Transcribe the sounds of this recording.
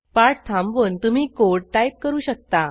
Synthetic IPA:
paʈt̪ʰãmʋənt̪um̤iːkoɽʈajp̚kəɾuːɕək̚t̪a

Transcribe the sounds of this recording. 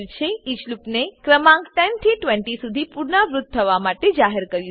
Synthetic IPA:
t͡ʃʰeit͡ʃlupnekɾəmãŋkʈɛnt̪ʰiʈʋɛɳʈisud̪ʱipuɾɳaʋɾʊt̪̚tʰːəʋamaʈed͡ʒaɦəɾkəɾju

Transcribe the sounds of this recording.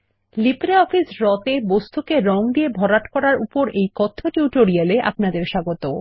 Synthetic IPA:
lipɾeɔfisɾɔt̪ebost̪ʰukeɾɔŋd̪iebʱɔɾaʈkɔɾaɾupoɾejkɔt̪ʰːoʈjuʈoɾijaleʔa̰pnad̪eɾʃaɡot̪o

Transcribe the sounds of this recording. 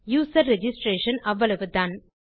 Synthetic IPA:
juːsɐɾːɛd͡ʒɪsʈɾeːʂɐnɐʋːɐɭɐʋɯd̪aːn

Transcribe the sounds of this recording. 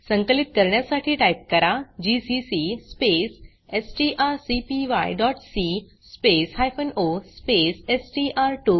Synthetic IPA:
sə̃ŋkəlit̪kəɾɳjasaʈʰiːʈajp̚kəɾad͡ʑisisispes | esʈiʔaɾsipiʋa̰jɖɔʈsi | speshajfənospesesʈiʔaɾʈu

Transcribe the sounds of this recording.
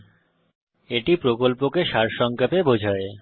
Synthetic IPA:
eʈipɾokolpokeʃaɾʃɔŋkapebod͡ʑʱae

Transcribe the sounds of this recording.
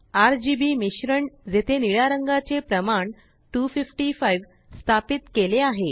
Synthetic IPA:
aɾd͡ʑibimiɕɾəɳd͡zet̪ʰeniɭaɾəŋɡat͡sepɾəmaɳ | ʈufifʈifajʋ | st̪ʰapit̪keleaɦe

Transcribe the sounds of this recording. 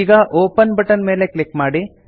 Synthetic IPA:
ɡɐʔoːpɐnbɐʈɐnmeːle̞klikmaːɽi

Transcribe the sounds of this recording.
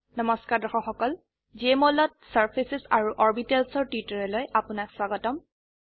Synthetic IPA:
nɔmɔskaɹdɔxɔxɔkɔl | d͡ʒiemɔlɔt̚saɹpʰisɛsaɹuʔɔɹbitɛlsɔɹtitɔɹɛlojʔapʊnakswaɡɔtɔm

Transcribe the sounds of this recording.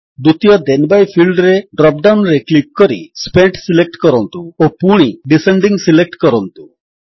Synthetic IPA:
d̪ut̪ijɔd̪enbajpʰilɖɾeɖɾɔp̚ɖawnɾeklik̚kɔɾḭspeɳʈsilek̚ʈkɔɾɔnt̪uopuɽ̃iɖiseɳɖiŋsilek̚ʈkɔɾɔnt̪u

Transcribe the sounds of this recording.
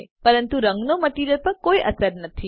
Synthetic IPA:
pəɾənt̪uɾə̃ŋɡnoməʈiɾəɾpəɾkoiʔə̰səɾnət̪ʰi

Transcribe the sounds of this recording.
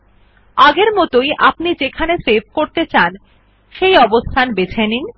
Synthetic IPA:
aɡeɾmɔt̪ojʔapnid͡ʑekʰanesebʱkoɾt̪et͡ɕan | ʃejɔbost̪ʰanbet͡ɕʰenin

